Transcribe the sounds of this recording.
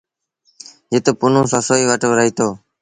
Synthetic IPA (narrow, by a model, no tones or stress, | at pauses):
jet̪oːpʊnõːsãːsoːiːʋaʈəːɾəɦiːt̪oː